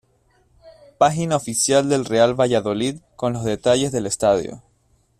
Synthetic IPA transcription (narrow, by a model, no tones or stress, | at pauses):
paxinaofisjald̪e̞lrealβaʝaðo̞liðko̞nlo̞zðe̞t̪aʝe̞zðe̞le̞st̪aðjo̰